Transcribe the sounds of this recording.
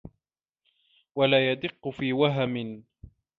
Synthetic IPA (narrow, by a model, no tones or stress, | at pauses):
walaːjad̪ɪqːʊfiːwaɦamɪn